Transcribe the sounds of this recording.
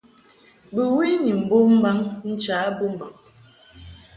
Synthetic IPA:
bə˨wi˦ɲi˨m̩˨bo˦m̩˦ba˦ŋn̩˦t͡ʃaː˨˦bo˦m˨ba˨ŋ

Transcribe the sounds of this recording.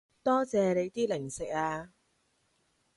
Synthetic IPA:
t̪ɔː˥t͡sɛː˨˧le˨˧jt̪iː˥lɪ˨˩ŋsɪ˨k̚aː˧

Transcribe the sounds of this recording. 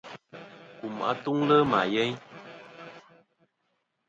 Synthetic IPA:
ku˨ma̰˦tu˦ŋlə˦ma̰˨jɛ˦ɲ

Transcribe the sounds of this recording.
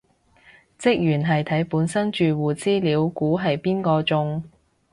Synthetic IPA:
t͡sɪ˥k̚jyː˨˩nɦɐ˨jt̪ʰɐ˨˥jpuː˨˥nsɐ˥nt͡ʃyː˨wuː˨˩t͡siː˥liː˨˧˥wkuː˨˥ɦɐ˨jpiː˥nkɔː˧t͡sʊ˧ŋ

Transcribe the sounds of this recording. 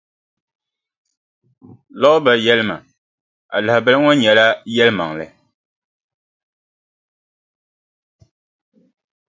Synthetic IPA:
lɔ˦ʔʊ˦ba˨jɛ˦lɨ˦ma̰˨ | a̰˨la˨hbɛ˨lɨ˦ŋɔ˦ɲɛ˨la˦jɛ˦lɨ˦ma˨ŋ˨lɨ̰˨

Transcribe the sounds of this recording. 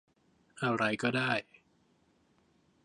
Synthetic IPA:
ʔa˧ɾa˧jkɔː˥˩daː˥˩j

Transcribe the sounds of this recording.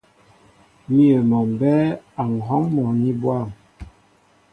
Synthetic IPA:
mi˦ə˨mɔ˨m˨bɛ˦a˨ŋ̩˨ɦɔ˦ŋmɔ˨ni˦bwa˦˨m

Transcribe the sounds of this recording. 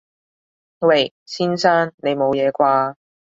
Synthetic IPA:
we˨˩j | siː˥nsaː˥nne˨˧jmo˨˧wjɛː˨˧kʷaː˧

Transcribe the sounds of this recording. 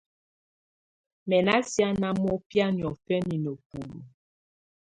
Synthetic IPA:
mɛ˨na˦sja˦na˦mɔ˦pja˦ni˨ɔ˨fɛ˦ni˨no˨pu˨lṵ˨

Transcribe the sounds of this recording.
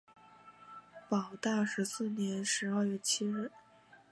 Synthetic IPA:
pɑ˨˩ʊt̪a˥˩ʂɻ̩˧˥sɹ̩˥˩njɛ˧˥nʂɻ̩˧˥ɐ˥˧ɥɛ˥˩t͡ɕʰi˥ɻ̩˥˩

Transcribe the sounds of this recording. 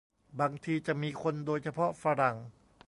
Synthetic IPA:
baː˧ŋt̪ʰiː˧t͡ɕa˨˩ʔmiː˧kʰo˧ndoː˧jt͡ɕʰa˧pʰɔ˦˥fa˧ɾa˨˩˦ŋ

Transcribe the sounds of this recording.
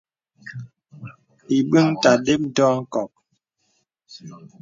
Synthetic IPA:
i˨bi˦ŋta˨de˦p̚n̩˦dɔː˦ŋ̩˦kɔ˨k̚

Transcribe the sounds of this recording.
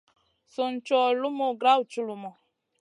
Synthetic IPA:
su˨n̩˨˦t͡ʃɔ˨lu˦mɔ˦˨ɡɾa˦wu˨t͡ʃu˦lu˨mɔ˨

